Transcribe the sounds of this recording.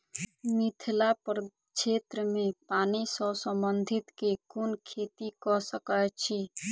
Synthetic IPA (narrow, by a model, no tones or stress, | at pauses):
mit̪ʰlapəɾ | t͡ʃʰeːt̪ɾəmẽpaːnisɔwsə̃mbənd̪ʱɪt̪kekʊnkʰeːt̪ikɔsəkət͡ʃʰi